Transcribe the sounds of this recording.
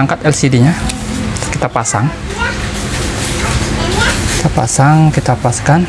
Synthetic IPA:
aŋkat̪ɛlsidiɲa | kit̪apasaŋ | ki̥t̪apa̰saŋkit̪apaskan

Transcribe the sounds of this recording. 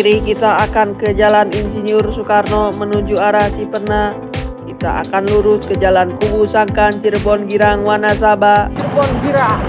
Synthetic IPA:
ɾikit̪aːkankəd͡ʒalaninsiniʊrsukarnɔmənuɲd͡ʒuaɾahsipərna | kit̪a̰ʔa̰kanluɾʊskəd͡ʒalankubusaŋkant͡ʃirbɔnɡiɾaŋwanas̬ababɔnɡiɾaŋ

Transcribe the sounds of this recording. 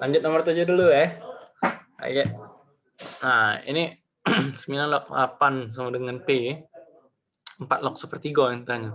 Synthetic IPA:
laɲd͡ʒʊt̪̚nɔmərt̪ud͡ʒoduluɛh | a̰ɡɛʔ | aḭni | səmilanlɔk̚la̰pans̬amadəŋanpe | əmpat̪̚lɔk̚səpərt̪iɡɔnt̪aɲat̪̚

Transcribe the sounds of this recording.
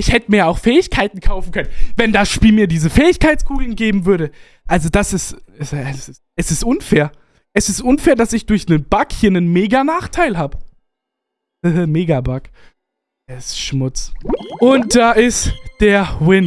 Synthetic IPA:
ʔɪçhɛtəmiːɐaʊxfɛːɪçkʰaɪtn̩kʰaʊfn̩kʰœnənvɛndasʃpiːlmiːɐdiːzəfɛːɪçkʰaɪtt͡skʰuːɡl̩nɡeːbm̩vʏɐɾə | ʔalzodasɪstɛsaɪ | ʔɛsɪstʔʊnfeːɐ | ʔɛsɪstʔʊnfeːɐdasɪçd̥ʊɐçnənb̥akhiːɐnənmeːɡanaːχtʰaɪlɦaːbə | həɦəmeːɡabak | eɪstʃmʊt͡sʔʊnt̚d̥aːʔɪstd̥eːɐwɪn

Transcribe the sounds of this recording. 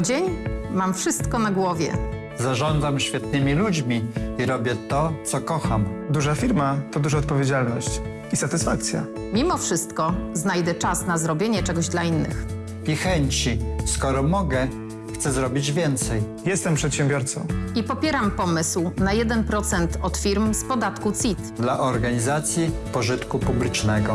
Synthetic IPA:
d͡ʑeɲmamfʂɘst̪kɔnaɡwɔvʲjɛ̰ | zaʐɔnd̪zamɕfʲjɛt̪̚nɘmʲilud͡ʑmʲiiɾɔbʲjɛt̪ɔt̪sɔkɔxamd̪uʐafʲiɾmat̪ɔd̪uʐaɔt̪̚pɔvʲjed͡ʑalnɔɕt͡ɕ | isat̪ɘsfak̚t̪sʲja̰ | mʲimɔfʂɘst̪kɔznajd̪ɛt͡ʂasnazɾɔbʲjeɲɛt͡ʂɛɡɔʑd̪lainːɘ̰x | pʲixɛɲt͡ɕiskɔɾɔmɔɡɛ | xt̪sɛzɾɔbʲid͡ʑvʲjɛnt̪sɛj | jɛst̪ɛmpʂɛt̪ɕɛ̃mbʲjɔɾt̪sɔ̰̃w̃ipɔpʲjɛɾampɔmɘswnajɛd̪ɛnpɾɔt̪sɛnt̪ɔt̪fʲiɾmspɔd̪at̪kut̪sit̪d̪laʔɔɾɡaɲizat̪sʲjipɔʐɘt̪kupublʲit͡ʂnɛɡɔ̰

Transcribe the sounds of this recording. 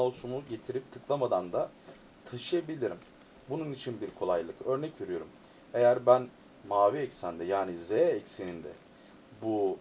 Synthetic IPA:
olˠsumuɟe̞t̪ʰiɾip̚t̪ʰɯklˠamad̪and̪a | t̪ʰaʃɯjabilʲiɾim | bununit͡ʃʰinbiɾkʰo̞lˠajlˠɯkø̞ɾnɛcve̞ɾijo̞ɾum | e̞jæɾbæn | maːviɛcsænd̪ɛjaːnizeɛcsenind̪ɛ̰ | bu

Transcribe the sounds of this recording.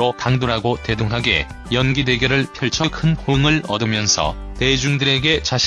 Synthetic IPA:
okaŋdoɾɦaɡote̞doŋɦaɡe̞̰ | jʌnɡide̞ɡjʌɾɯɭpʰjʌɭt͡ɕʰʌkʰɯnhoŋɯɭʌdɯmjʌnsʰʌ̰te̞d͡ʑuŋdɯɾe̞ɡe̞t͡ɕaɕʰ

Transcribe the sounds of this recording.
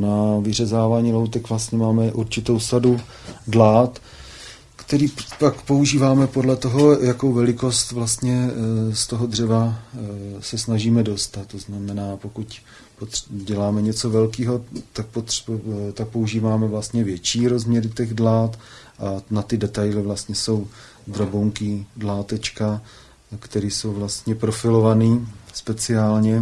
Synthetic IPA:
navɪrɛzaːvaːɲiːlowt̪ɛkvlast̪ɲɛmaːmɛʔuɾt͡ʃɪt̪o̞wsadu | dlaːt̪ | kt̪ɛɾiːpakpo̞uʒiːvaːmɛpo̞dlɛt̪o̞ɦo̞jako̞wvɛlɪko̞st̪vlast̪ɲɛst̪o̞ɦo̞d̪r̝ɛva | sɛsnaʒiːmɛdo̞st̪at̪ːoznamɛnaːpo̞kuc | pot̪ɟɛlaːmɛɲɛt͡so̞vɛlkiːɦo̞t̪ak̚pot̪t̪ak̚pouʒiːvaːmɛvlast̪ɲɛvjɛt͡ʃiːɾo̞zmɲɛɾɪt̪ɛɣdlaːt̪ʔanat̪ɪdɛt̪ajlɪvlast̪ɲɛso̞w | d̪ɾaboŋkɪdlaːt̪ɛt͡ʃka | kt̪ɛɾiːso̞wvlast̪ɲɛpɾo̞fɪlo̞vaniːspɛt͡sɪaːlɲɛ

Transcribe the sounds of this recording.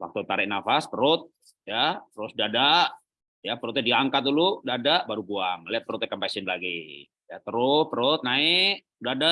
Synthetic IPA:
wa̰k̚t̪ut̪aɾɪʔ̚nafaspəɾʊt̪̚ | japəɾʊsdadaʔ | japəɾʊt̪̚ɲadiaŋkat̪̚duludadaʔbaɾubuaŋliat̪̚pəɾʊt̪̚akampasɪnlaɡḭ | jat̪əɾʊpəɾʊt̪̚naɪʔ | dada

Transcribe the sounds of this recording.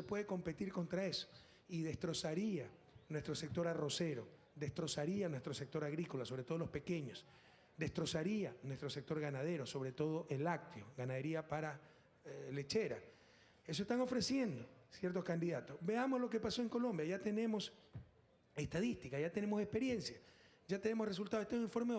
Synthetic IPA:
se̞pwe̞ðeko̞mpe̞t̪iɾko̞nt̪ɾae̞so̥ | iðest̪ɾo̞saɾia | nwe̞st̪ɾo̞se̞k̚t̪o̞ɾaro̞se̞ɾo̞ | d̪e̞st̪ɾo̞saɾianwe̞st̪ɾose̞k̚t̪o̞ɾaɣɾikolaso̞βɾet̪o̞ðolo̞spe̞ke̞ɲos | d̪e̞st̪ɾo̞saɾianwe̞st̪ɾose̞k̚t̪o̞ɾɣanað̞e̞ɾo̞so̞βɾe̞t̪o̞ð̞o̞ʔelak̚t̪joɡanaðe̞ɾiapaɾa | le̞t͡ʃe̞ɾa | esoest̪aŋo̞fɾe̞sje̞nd̪osje̞ɾt̪o̞skand̪iðat̪o̞sbe̞amo̞zloke̞paso̞eŋko̞lõ̞mbjaʝat̪e̞ne̞mo̞s | e̞st̪aðist̪ikaʝat̪e̞ne̞mo̞sehpe̞ɾje̞nsja | ʝat̪e̞nemo̞sres̬ult̪aðet̪oiɱfo̞ɾme

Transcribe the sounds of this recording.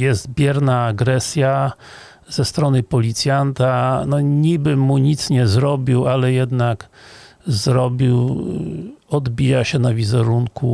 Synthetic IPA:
jɛzt̪bʲjɛɾnaːɡɾɛsʲja | z̥ɛst̪ɾɔnɘpɔlʲit̪sʲjant̪anɔɲibɘmuɲit̪sɲɛzɾɔbʲiwalɛjɛd̪nak | zɾɔbʲiw | ɔd̪bʲijaɕɛnavʲizɛɾuŋku

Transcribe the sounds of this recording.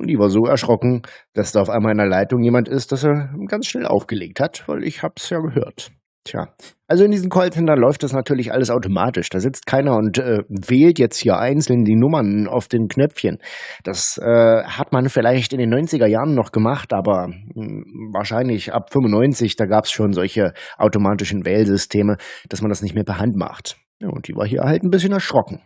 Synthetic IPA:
ʔʊntd̥iːvaːɐzoːɛɐʃʁ̥ɔkŋ̩d̥asd̥aːaʊfʔaɪmaːlɪnɐlaɪtʊŋjeːmantɪst̚d̥aseːɐɡ̥ant͡sʃnɛlʔa̰ʊfɡ̥əleːk̚thatv̥a̰ɪlʔɪ̰çhaːbsjaːɡəɦøːɐt | tʰja̰ːʔalzoɪndiːzn̩kʰɔlsəndanlɔʏftd̥asnatʰyːɐlɪçʔa̰ləsaʊtoma̰ːtɪʃd̥aːzɪt͡stkʰaɪnɐʊntʔɛːveːltjɛt͡sthiːɐʔaɪnt͡sl̩ndiːnʊmɐna̰ʊfd̥eːnkʰnœp͡fçənd̥asʔɛːhatmanfɪlaɪçtɪndeːnɔʏnt͡sɪɡɐjaːʁənːɔχɡ̥əmaχtʔaːbɐ | va̰ːɐʃaɪnlɪçʔa̰pfʏmʊnːɔʏnt͡sɪçd̥aːɡaːpsʃoːnzɔlçəʔaʊtomaːtɪʃn̩vɛːlzʏstʰeːməd̥asmandasnɪçtmeːɐpʰɛɐɦantma̰χt | ja̰ːʊ̰ntd̥iːva̰ːɐɦḭːɐhaltn̩bɪsçənɛɐʃʁ̥ɔkŋ̩

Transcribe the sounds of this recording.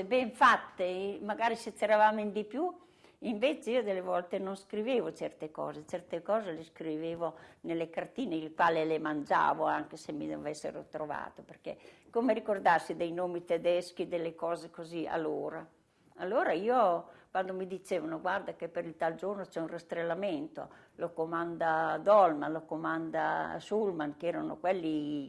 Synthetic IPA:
sebɛɱfat̪ːemaɡaːɾiset͡ʃːeɾavamind̪ipju | iɱveːt͡ʃeiod̪elːevɔlt̪enonskɾiveːvot͡ʃɛrt̪ekɔ̰ːzet͡ʃɛrt̪ekɔːzeleskɾiveːvonelːekart̪iːneilkwaːlelemand͡ʒa̰ːvoaŋkesemːḭd̪o̰vɛsːḛɾo̰t̪ɾova̰ːt̪operkḛkomeɾikord̪asːid̪ejnoːmit̪ed̪ɛsk̟id̪elːekɔːzekozia̰loːɾa | alːoːɾaiːokwand̪omid̪it͡ʃeːvanoɡward̪akepːeɾilt̪ald͡ʒornot͡ʃɛunrest̪ɾelːament̪o̰lokomand̪ad̪ɔlmanlokomand̪a̰sulmankɛːɾano̰kwɛlːi

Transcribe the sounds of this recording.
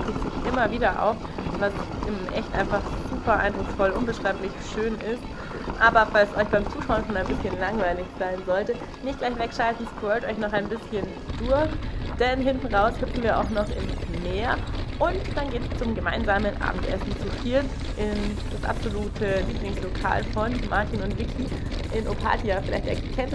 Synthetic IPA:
ɪç̥ɪçʔɪmɐviːdɐʔa̰ʊf | v̥asʔɪmʔɛ̰çtʔa̰ɪnfaχz̥uːpɐʔa̰ɪndʁʊksfɔlʔʊnbəʃʁ̥aɪplɪçʃøːnɪst̚ | ʔaːbɐfalsʔɔʏçb̥aɪmt͡suːʃaʊənfɔnaɪnbɪsçənlaŋvaɪlɪçz̥aɪnzɔltə | nɪçtɡ̥laɪçv̥ɛkʃaltn̩spɔʏtʔɔʏçnɔχaɪnbɪsçən | d̥ʊɐçd̥ɛnɦɪntn̩ʁaʊshʏpn̩viːɐʔa̰ʊxnɔχɪ̰nsmeːɐʔʊntd̥anɡeːtst͡sʊmɡəmaɪnzaːmənʔa̰ːbm̩tʔɛ̰sn̩t͡sitʰiːt | ʔɪn | d̥asʔa̰pz̥oluːtʰəliːplɪŋslokʰa̰ːlfɔnmʔa̰ɐtʰiːnʊntv̥ɪkʰiʔɪnʔopʰa̰ːtʰiafɪla̰ɪçtɛ̰ɐkʰɛnt

